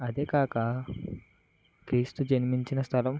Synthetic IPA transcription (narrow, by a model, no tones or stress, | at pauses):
ad̪ekaka | kɾist̪ud͡ʒɛnmint͡ʃinast̪alɔm